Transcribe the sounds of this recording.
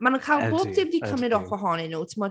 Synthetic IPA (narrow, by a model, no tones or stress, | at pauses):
manukʰajlˠboːb̚dɪmdikʰəmɪdɔfɔɦɔnɪnutʰɪmɔ̥